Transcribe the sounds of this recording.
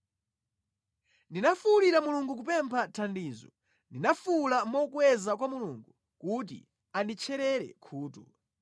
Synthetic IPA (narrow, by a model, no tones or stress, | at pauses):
ndinafuliɾamuluŋɡuk̬upɛmpʰatʰandiːzɔ | ndinafulamɔkwɛzak̬wamuluŋɡu | kut̬ḭ | andit͡ʃʰɛɾɛɾɛ̰kʰuːtɔ